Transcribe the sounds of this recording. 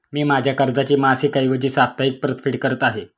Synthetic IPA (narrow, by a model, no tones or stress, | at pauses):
miːmad͡ʑʱjakəɾd͡zat͡ɕiːmasiːkaiʋəd͡ʑiːsap̚t̪aik̚pɾət̪fʰiʈkəɾət̪aɦe